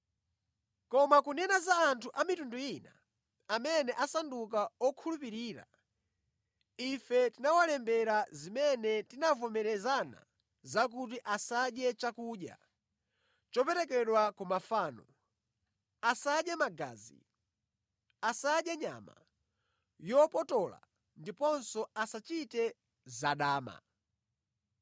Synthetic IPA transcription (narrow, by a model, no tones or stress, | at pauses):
kɔmakunɛnazaːntʰuʔamitunduina | amɛnɛʔasanduk̬aɔkʰulupiɾiːɾa̰ | ifɛtinawalɛmbɛɾazimɛnɛtinavɔmɛɾɛzana̰ | zak̬ut̬iʔasaɗjɛt͡ʃakuːɗja̰ | t͡ʃɔpɛɾɛk̬ɛɗwakumafaːnɔ | asaɗjɛmaɡa̰ːzḭ | asaɗjɛɲa̰ma̰ | jɔpɔtɔla̰ | ndipɔnsɔasat͡ʃitɛ | zaɗaːma̰